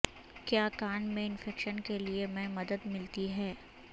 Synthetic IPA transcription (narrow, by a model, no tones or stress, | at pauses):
kjaːkaːnmẽɪnfɛːkʃənkeliemɛ̃mɐd̪əd̪mɪlt̪iɦɛː